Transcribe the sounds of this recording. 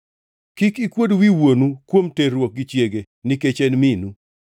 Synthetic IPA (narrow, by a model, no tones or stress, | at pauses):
kɪkikwodwiwonukwomterwok̚ɡit͡ʃjeɡe | nɪket͡ʃenminu